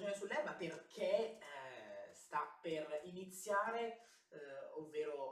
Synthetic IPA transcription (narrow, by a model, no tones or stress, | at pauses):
d͡ʒoːnesulːɛbaperkʰe | st̪apːerinit̪sːjaːɾe | ovːeːɾo